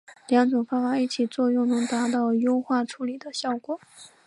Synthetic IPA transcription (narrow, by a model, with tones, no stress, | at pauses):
ljɑ˧˥ŋʈ͡ʂʊ˨˩ŋfa˥fa˧˥i˥˩t͡ɕʰi˨˩t͡swɔ˥˧jʊ˥˩ŋnɤ˧˥ŋt̪a˧˥t̪ɑ˥˩ʊjo˥ʊxwa˥˩ʈ͡ʂʰu˧˥li˨˩d̪ə˦ɕjɑ˥˩ʊkwɔ˨˩˦